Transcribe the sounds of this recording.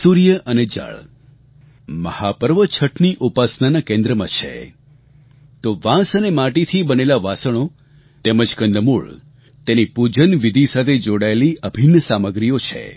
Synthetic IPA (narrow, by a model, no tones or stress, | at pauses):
suɾijəʔəned͡ʒa̰ɭ | məhapəɾʋət͡ʃʰəʈʰniʔupasnanakẽnd̪ɾəmã̰t͡ʃʰḛ | t̪oʋãsənemãʈit̪ʰibənelaʋasəɽ̃o | t̪eməd͡ʒkənd̪əmuɭ | t̪enipud͡ʒənʋid̪ʱisat̪ʰed͡ʒoɽaeliʔəbʱinəsaməɡɾijot͡ʃʰḛ